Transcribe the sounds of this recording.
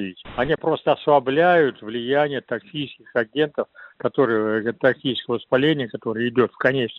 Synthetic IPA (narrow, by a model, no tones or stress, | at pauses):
itʲɐnʲipɾo̞st̪əɐsvɐblʲæjʊt̪vlʲɪjænʲɪjət̪ɐksʲijskʲɪxɐɡʲe̞nt̪əfkɐt̪o̞ɾɨjət̪ɐksʲijskəvəspɐlʲenʲɪjəkɐt̪o̞ɾɨjəɪdʲo̞t̪fkɐnʲet͡ɕn